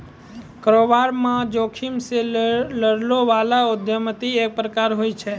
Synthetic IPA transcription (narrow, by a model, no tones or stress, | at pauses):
kəɾoʋaɾmãd͡ʒokʰimseləɽloʋalaʊd̪ʱjəmət̪iek̚pɾəkaɾɦojt͡ʃʰɛ